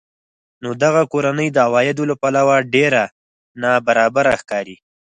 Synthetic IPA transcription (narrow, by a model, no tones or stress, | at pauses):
nod̪aɣakoɾanəjd̪əawɑjɪd̪olapalawaɖeɾa | nɑbaɾɑbaɾaxkɑɾi